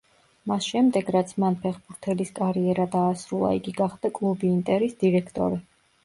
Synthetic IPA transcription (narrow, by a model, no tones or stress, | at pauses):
masʃɛmd̪ɛɡɾat̪sʰmanpʰɛχbuɾt̪ʰɛliskʼaɾiɛɾad̪aːsɾulˠa̰ḭɡiɡaχd̪akʼlˠubiːnt̪ʼɛɾisd̪iɾɛkʰt̪ʼɔ̰ɾi